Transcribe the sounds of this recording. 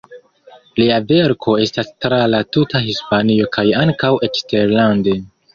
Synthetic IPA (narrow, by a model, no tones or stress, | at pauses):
liave̞ɾkʰo̞e̞stastɾalatutaɦispanio̞kʰajaŋkawʔe̞t͡ʃste̞ɾlande